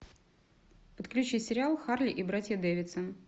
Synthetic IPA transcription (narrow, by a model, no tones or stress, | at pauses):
pət̪klʲʉt͡ɕisʲɪɾʲɪalˠxarlʲɪʔibɾatʲjəd̪evʲɪt̪sə